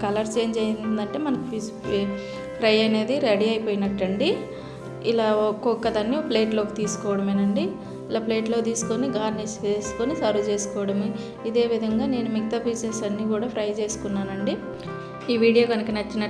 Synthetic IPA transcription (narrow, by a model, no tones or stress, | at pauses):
kɐlɐɾt͡ʃe̞ːɲd͡ʒɐjinnd̪ɐɳʈe̞ːmɐnɐkipis | pʰɾɐjɐne̞ːd̪iɾɐɽiɐjpoːjinɐʈːɐɳɖi | ilaːkɔkːɐd̪ɐnːiple̞ːʈloːkit̪iːsu̥kɔːʋɐɽɐmeːnɐɳɖi | ilaːple̞ːʈlo̞ːt̪iːsu̥koniɡaːɾnist͡ʃeːsu̥konisɐɾut͡ʃe̞ːsu̥kɔːʋɐɽɐme | id̪e̞ːʋid̪ʱɐŋɡaːne̞ːnumik̚t̪ɐpiːsesɐnːiːkuːɽaːpʰɾɐjt͡ʃe̞ːsu̥kunːaːnɐɳɖi | iːʋiːɽijoːɡɐnɐkinɐt͡ʃːinɐ